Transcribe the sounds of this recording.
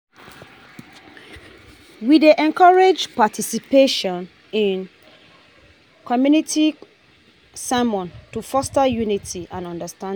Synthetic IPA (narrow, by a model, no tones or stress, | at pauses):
wideʔɛ̃nkʰɔɹed͡ʒpatʰisipeʃɔ̃n | ĩn | kʰɔmjunitʰi | samɔ̃ntufɔstajunitʰiʔãnɔ̃ndəstã